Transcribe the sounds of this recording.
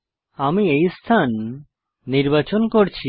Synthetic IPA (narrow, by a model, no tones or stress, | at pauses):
amiejst̪ʰanː | iɾbat͡ɕonkoɾt͡ɕʰi